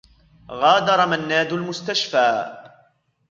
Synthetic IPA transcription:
ɣɑːd̪ɑɾˤɑmanːaːd̪ʊlmʊst̪aʃfaː

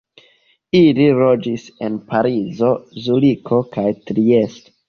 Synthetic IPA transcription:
iliɾo̞d͡ʒise̞npʰaɾizo̞zulikʰo̞kajtɾie̞sto̥

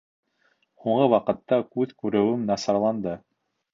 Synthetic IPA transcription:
huɴɢɤwɑqɤ̆t̪ːɑkʉðkʉɾɘ̆wɘmnɑsɑɾlˠɑnd̪ɤ

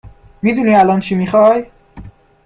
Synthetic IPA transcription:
miːd̪uːniːælɒːnt͡ʃʰimiːxɒːj

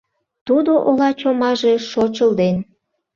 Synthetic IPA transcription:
t̪ud̪oʔolɑt͡ɕomɑʒe̽ʃot͡ɕəld̪en

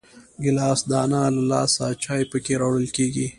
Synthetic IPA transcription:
ɡɪlɑːsd̪ɑːnalalɑ̰sat͡ʃɑːjpəkeɾawɽəlkeɡi

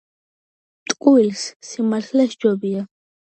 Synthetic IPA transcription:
t̪ʼkʼuilssimaɬlɛsd͡ʒɔbia

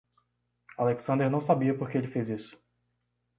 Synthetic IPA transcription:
aleksɐ̃nd̪eɾnɐ̃w̃sabiɐpoɾkeelɪfejzisʊ̥

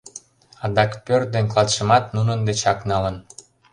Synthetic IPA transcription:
ɑd̪ɑkpørd̪enʲklɑt̪ʃə̆mɑt̪nunənd̪et͡ɕɑknɑlən

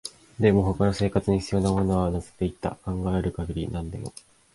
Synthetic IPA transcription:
d̪e̞mo̞ɦo̞kano̞se̞ːkat͡sɨɲ̟içʲit͡sijo̞namo̞no̞βanose̥t̪ːe̞it̪ːa̰kãŋɡae̞ɾɯ̟kaɡʲiɾʲinãnd̪ḛmo̞̰

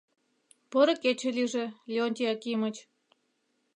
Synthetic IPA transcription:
pɤɾɤ̆ket͡ɕĕliʒĕlʲeonʲt̪ʲeɑkimə̆t͡ɕ

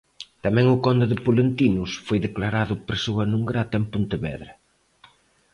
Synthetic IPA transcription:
t̪ɐmɛ̃ŋʊkɔnd̪ʊðɪpulent̪inʊsfojðeklaɾaðʊpɾesoɐnũŋɡɾat̪ɐempunt̪ɪβɛ̰ðɾɐ

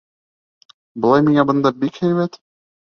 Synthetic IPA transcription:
bŏlˠɑjmiŋæbɤ̆nd̪ɑbikhæjβæt̪

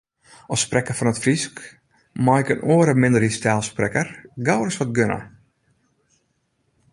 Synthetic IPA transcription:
ɔsprɛkərfɔnətfrisk | majɪkənoːəɾəmɪndəristaːlˠsprɛkərɡawrəsʋɔt̚ɡønə̰

